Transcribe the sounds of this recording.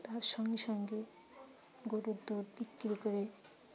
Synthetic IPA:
t̪asʌŋɡesʌŋɡe | ɡoɾod̪od̪bikːɾikʌɾe

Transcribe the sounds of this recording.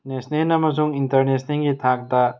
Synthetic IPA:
nesnenɐmɐzuŋintɐɾnesniŋɡit̪ʰak̚d̪a

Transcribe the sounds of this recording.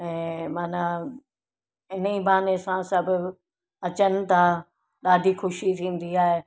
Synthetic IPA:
ɛ̃ːmaːna | ɪn̤əibaːnesãsɐbʱʊ | ɐt͡ɕənɪ̆t̪ã | ɗaːɖʱixʊʃit̪ʰĩːnd̪iaːɦe

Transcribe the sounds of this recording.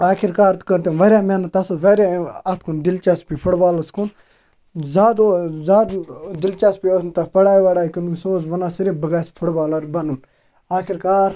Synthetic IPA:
aːkʰiɾkaːɾt̪kəɾt̪enʋɐɾjaːmenɐt̪ɐsʋɐɾʲaɐt̪ʰkʰund̪ilt͡ʃaspipʰuɽbaːlɐskʰun | zaːd̪zaːd̪d̪ilt͡ʃaspiosnt̪ɐpɐɽaːjʋɐɽaːkunusoːzʋɐnasiɾibəɡaːspʰuɽbaːlɐɾbɐnun | aːkʰiɾkaːɾ

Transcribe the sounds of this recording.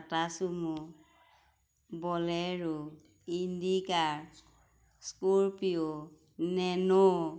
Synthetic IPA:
tasumu | bɔlɛɹu | indikaɹ | skuɹpio | nɛnɔ

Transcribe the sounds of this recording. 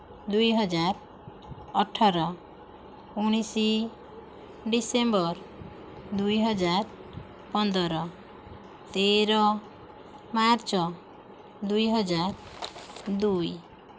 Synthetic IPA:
d̪ujɦɔd͡ʒaɾ | ɔʈʰɔɾɔ | uɽ̃isi | ɖisembɔɾ | d̪ujɦɔd͡ʒaɾ | pɔnd̪ɔɾɔ | t̪eɾɔ | maɾt͡ʃɔ | d̪ujɦɔd͡ʒaɾ | d̪uj

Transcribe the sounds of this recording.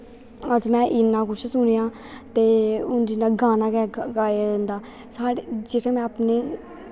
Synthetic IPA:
əd͡ʒmɛ̃ːʔɪnːãːkʊt͡ʃʰsʊnijãː | t̪eːʊnd͡ʒɪnãːɡaːnaːkɛːɡaːjaːd͡ʒə̃nd̪aː | saːɽed͡ʒeːkʰeːmɛ̃ːəpneː

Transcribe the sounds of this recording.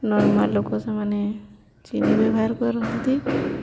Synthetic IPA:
nɔɾmalːokosamane | t͡ʃinibɛbʱɦaɾkɔɾɔnɔt̪i

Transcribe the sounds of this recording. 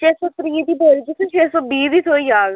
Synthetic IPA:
t͡ʃeːsɔːt̪ɾiːd̪iːbeːɾd͡ʒiːt̪ʰʊt͡ʃʰeːsɔːbiːd̪iːt̪ʰoːiːjaːɡ

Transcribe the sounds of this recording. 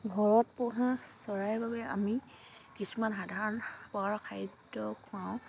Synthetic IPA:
ɡʱɔɹɔt̚pɔɦãsɔɹajbabɛa̰mi | kisumanɦadʱaɹɔnpɔaɹɔkʰajdɔkʰʊãw̃

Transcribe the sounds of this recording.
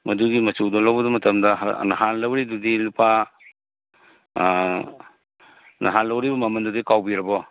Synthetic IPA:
mɐduɡimɐsudɔlɐwbɐdɐmɐtʰɐmdɐɦnɐ̰hanlɐwɾidudilupa | nʔɐ̰ɦanlɐwɾibɐmɐmɐndudikawbiɾɐbɔ

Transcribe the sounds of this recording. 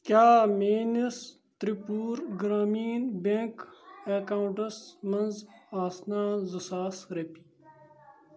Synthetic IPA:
kjaːmeːnis | t̪ɾipuːɾɡɾaːmiːnbekekaːuɳʈɐsmɐnzaːsnaːzɐsaːsɾepi̥

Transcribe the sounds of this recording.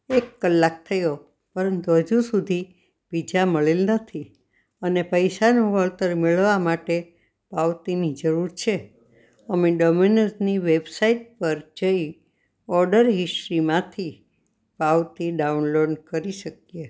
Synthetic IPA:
ekːəlːak̚t̪ʰəjo | pəɾənt̪uɦəd͡ʒusud̪ʱi | b̥id͡ʒaməɭelnət̪ʰi | ənepəjsanũʋəɭt̪əɾmeɭʋamaʈe | paʋt̪inid͡ʒəɾuɾt͡ʃʰe | əmeɖominəsniʋebsaiʈ̚pəɾd͡ʒəi | ɔɾɖəɾɦɪsʈɾimãt̪ʰi | paʋt̪iɖaunloɖkəɾiʃək̚je

